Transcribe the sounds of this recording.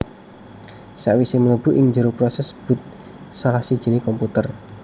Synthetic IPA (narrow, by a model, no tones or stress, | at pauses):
saʔwisemələb̥ṳʔɪŋɲd͡ʒəɾopɾɔsɛsb̥ṳt̪̚ | salahsid̥ʒ̥ə̤nikɔmput̪ər